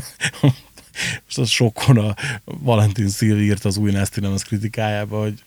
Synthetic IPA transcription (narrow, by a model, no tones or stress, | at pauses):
oʃt̪ɛʃo̞kʰːo̞nɒvɒlɛnt̪insiːvirt̪ɒːzuːjnɛst̪inɛmɛskrit̪ikaːjaːbɒoɟ